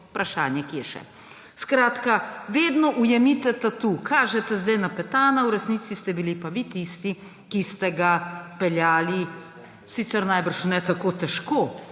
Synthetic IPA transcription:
pɾaʃaːnjɛkijɛʃɛ̰ | skɾaːt̪kaʋeːd̪nɔʔujɛmit̪ɛt̪at̪ukʰaːʒɛt̪ɛzd̪ajnapɛt̪aːnawɾɛsniːt̪sist̪ɛbilipaʋit̪ist̪i | kist̪ɛɡapɛljaːli | siːt̪sɛɾnajbəɾʃnɛt̪akoːt̪ɛʃkoː

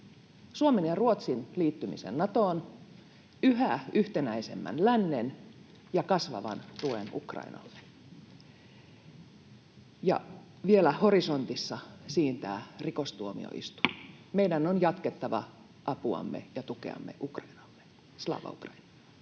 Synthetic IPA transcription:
suomenjɑruot̪sinliːt̪ːymḭsḛnːɑt̪oːn | yɦæyht̪enæise̞̰mːæ̰nlænːen | jɑkɑsʋɑ̰ʋɑ̰nt̪uḛnṵkrɑ̰inɑ̰lːe | jɑ̰ | ʋielæhoriso̞nt̪isːɑsiːnt̪æːrikost̪uomḭo̰ḭst̪u̥meidænːonjɑt̪ket̪ːɑʋɑ̰ | ʔɑpuɑ̰mːḛjɑt̪ukḛɑ̰mːḛʔukrɑinɑlːe | slɑ̰ːʋɑ̰ukrɑinɑ̥lː

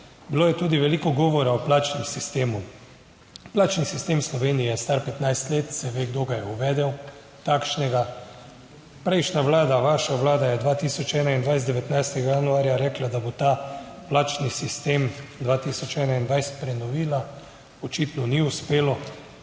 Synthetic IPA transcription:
biloːjɛt̪uːd̪iʋɛliːkɔɡɔːʋɔɾaɔplaːt͡ʃnɛmsist̪eːmu | plaːt͡ʃnisist̪eːmslɔʋeːnijɛst̪aɾpɛt̪najst̪leːt̪sɛʋeːɡd̪oːɡajɛuʋɛːd̪ɛw | t̪akʃnɛɡa | pɾɛjʃnaʋlaːd̪aʋaʃaʋlaːd̪ajɛd̪ʋaːt̪iːsɔt͡ʃɛːnaind̪ʋajst̪d̪ɛʋɛt̪najst̪ɛɡajanuaːɾjaɾɛːklad̪abot̪aplaːt͡ʃnisist̪emd̪ʋaːt̪isɔt͡ʃɛːnaind̪ʋajsɛ̥t̪pɾɛnɔʋiːla | ɔt͡ʃit̪nɔniuspeːlɔ

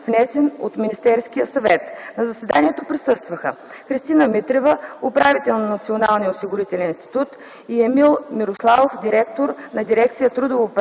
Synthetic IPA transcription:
vnɛsɛnot̪minist̪ɛɾskijəsɐvɛt̪nɐzɐsɛd̪aniɛt̪opɾisɤst̪vəxə̰ | xɾist̪inəmit̪ɾɛvəopɾavit̪ɛlˠnɐnɐt̪sionalˠniəosiɡʊɾit̪ɛlɛninst̪i̥t̪ut̪ | iɛmilˠmiɾoslˠavofd̪ʲiɾɛk̚t̪oɾnɐd̪iɾɛk̚t̪sijət̪ɾud̪ovop

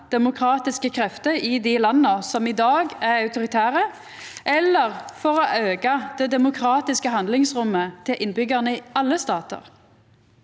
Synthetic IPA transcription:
d̪̥ɛmʊkʰʁɑːt̪ɪskəkʰʁɛft̪əɪd̪ɪlɑnːəsɔmɪd̪ɑːɡæʁɑʉt̪ʊʁɪt̪ʰæːʁə | ɛlːəʁfɔʁɔʔøːɡɑd̪̥ɛd̪ɛmʊkʰʁɑːt̪ɪskəhɑnd̪lɪŋsʁʊmːət̪ʰɪlʔɪnbʏɡɑʁnəɪɑlːəst̪ɑːt̪ə̰ʁ

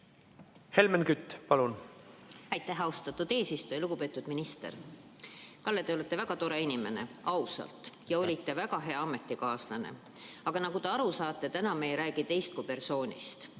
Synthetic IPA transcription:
he̞lmenkyt̪ːˑpɑlun | æjt̪ːˑæɦɑust̪ɑt̪ːˑud̪̥e̞ːsist̪ujɑluɡ̥upe̞ːt̪ːˑud̪minist̪e̞̰r | kɑlːet̪e̞o̞let̪ːˑe̞væɡ̥ɑt̪o̞ɾe̞inʲime̞ne̞̰ɑusɑ̰lt̪ˑjɑo̞lʲit̪ːe̞væɡ̥ɑɦe̞ɑɑme̞t̪ːˑikɑːslɑnḛ | ɑɡ̥ɑnɑɡut̪e̞ɑɾusɑːt̪ːˑe̞t̪ænɑmejɾæːɡ̥it̪e̞jst̪̚kupe̞rso̞ːnʲḭst̪

